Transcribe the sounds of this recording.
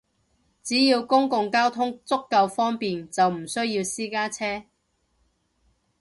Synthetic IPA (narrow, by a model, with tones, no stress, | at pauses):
t͡siː˨˥jiː˧wkʊ˥ŋkʊ˨˧ŋkaː˥wt̪ʰʊ˥ŋt͡sʊ˥kːɐ˧wfɔː˥ŋpiː˨nt͡sɐ˨wm̩˨˩sɵ˥ɥjiː˧wsiː˥kaː˥t͡sʰɛː˥